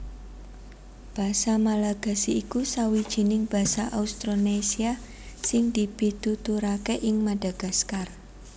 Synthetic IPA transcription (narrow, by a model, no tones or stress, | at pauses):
b̥a̤samalaɡ̥a̤siːkusawid̥ʒ̥i̤nɪŋb̥a̤saʔaust̪ɾonesia | sɪŋd̪̥i̤b̥id̪̥ut̪uɾakeʔɪŋmad̥aɡ̥a̤skar